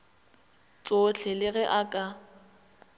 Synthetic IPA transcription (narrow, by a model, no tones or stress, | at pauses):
t͡sʼot͡ɬʰɛlɪɣɛʔakʼa